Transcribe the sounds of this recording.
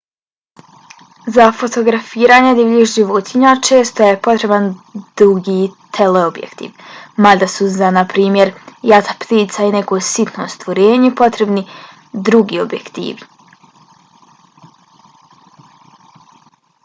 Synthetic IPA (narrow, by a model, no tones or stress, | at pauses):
zafo̞t̪o̞ɡɾafiːɾaːɲed̪iʋixʒiʋot̪ʰiɲat͡ʃe̞ːst̪ojepo̞t̪ɾe̞band̪ɾuɡit̪ʰeleobjḛkt̪ḭːʋmad̪asuzanapɾiːmje̞ɾjat̪apt̪iːt̪saine̞ko̞sit̪no̰st̪ʋoɾeːɲepo̞t̪ɾe̞bni | d̪ɾuɡio̞̰bjḛkt̪ḭːʋi